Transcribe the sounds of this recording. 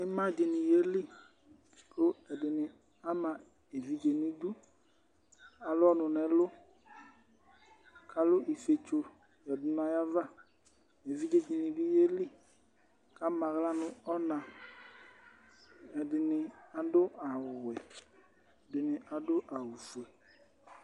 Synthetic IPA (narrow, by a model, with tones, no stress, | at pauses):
ɪ˦mã˦˨d͡ʒɪ˨nɪ˨je˦li˦˨ | kʊ˦ɛ˨dɪ˨nɪ˨ | a˦mã˨ | e˨vi˨d͡ʒe˨nɪ̃˦du˦ | a˨lʊ˦ɔ˦nʊ˨nɛ˨˦lʊ˦ | kʰa˨lʊ˦ʔi˨fe˨t͡ʃo˨ | jɛ˨dʊ˨na˨ja˦va˦˨ | e˨vi˦d͡ʒe˨˦d͡ʒi˨nɪ˨bi˦je˦li˦˨ | ka˦mã˨ɣla˦nʊ̃˨ɔ˦nã˨ | ɛ˨dɪ˨nɪ˨a˨dʊ˦a˨ɛ˨ | dɪ˨nɪ˨ʔa˨dʊ˦ʔa˨wu˨fu˨ɛ˨